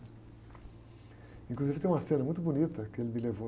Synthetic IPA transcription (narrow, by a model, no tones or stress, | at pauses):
ĩkluzivɪẽj̃ũmɐsẽnɪmũj̃t̪ʊbonit̪ɐkɪelɪmɪlevo